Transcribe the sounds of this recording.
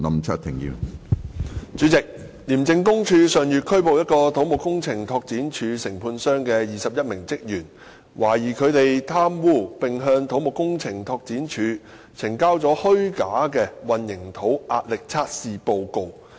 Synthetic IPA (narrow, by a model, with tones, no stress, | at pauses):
nɐ˨mt͡sʰa̰˥t̪ʰɪ˨˩ŋjḭ˧w | t͡ʃyː˨˥t͡sɪ˨k̚ | liː˨˩mt͡sɪ˧ŋkʊ˥ŋt͡ʃʰyː˧sœː˨˩ŋjyː˨t̚kʰɵ˥ɥpo˨wjɐ˥t̚kɔː˧t̪ʰo˨˥wmo˨kʊ˥ŋt͡sʰɪ˨˩ŋt̪ʰɔː˧k̚t͡siː˨˥nt͡ʃʰyː˨˧sɪ˨˩ŋpʰuː˧nsœː˥ŋkɛː˧jiː˨sɐ˨p̚jɐ˥t̚mɪ˨˩ŋt͡sɪ˥k̚jyː˨˩n | wʔaː˨˩jiː˨˩kʰɵ˨˧ɥt̪e˨jt̪ʰaː˥mwuː˥˩pɪ˨ŋɦœː˧ŋt̪ʰo˨˥wmo˨kːʊ˥ŋt͡sʰɪ˨˩ŋt̪ʰɔː˧k̚t͡siː˨˥nt͡ʃʰyː˨˧ | t͡sʰɪ˨˩ŋkaː˥wt͡sɔː˨˥hɵ˥ɥkaː˨˥kɛː˧wɐ˨njɪ˨˩ŋt̪ʰo˨˥wʔaː˧t̚lɪ˨k̚t͡sʰaː˥t̚siː˨˧po˨˧wko˨˧w